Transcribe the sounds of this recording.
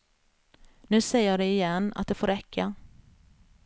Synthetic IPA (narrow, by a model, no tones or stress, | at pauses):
nʉ̟ːsɛjəjaːd̪ɛɪjɛnːa̰t̪̚d̪ɛfoːɾɛkʰːa